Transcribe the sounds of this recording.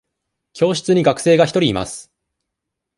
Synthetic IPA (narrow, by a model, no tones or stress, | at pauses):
kʲʰo̞ːɕi̥t͡sɨɲ̟iɡakɯ̟̥se̞ːɡaçi̥t̪o̞ɾʲiːma̰sɨ̥